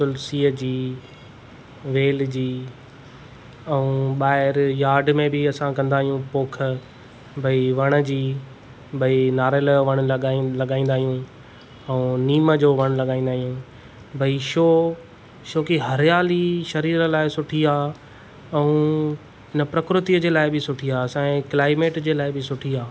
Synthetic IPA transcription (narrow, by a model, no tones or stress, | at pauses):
sʊlsiːəd͡ʑiː | ʋeːld͡ʑiː | ɛũːɓaːɦɪɾjaːɖmẽbɪɐsãkɐ̃nd̪aːɦijũpoːkʰə | bʱɐiʋɐɽ̃ə̆d͡ʑiː | bʱɐinaːɾəlʋɐɽ̃lɠalɐɠaːĩnd̪aːɦijũ | ɛ̃ũniːməd͡ʑoːʋɐɽ̃lɐɠaːĩːnd̪aːɦijũː | bʱɐiʃoː | ʃoːkiɦɐɾjaːliʃɐɾiːɾlaːɪsʊʈʰiaː | ɛ̃ũː | ɦɪnəpɾɐkɾʊt̪iəd͡ʑeːlaːɪbɪsʊʈʰiaːɐsãkɪlaːɪmeːʈd͡ʑeːlaːɪbɪsʊʈʰiaː